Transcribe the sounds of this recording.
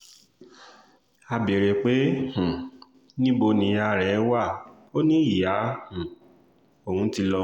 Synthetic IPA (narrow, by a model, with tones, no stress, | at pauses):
a˧be˨ɾe˨k͡pe˦h̩˨ | nĩ˦bo˧nĩ˨˧˦ja˧ɾɛ˨˦wa˦˨ | o˦nĩ˦i˦˨ja˨˦hũ˨ | o˨hũ˨˦ti˧lɔ˧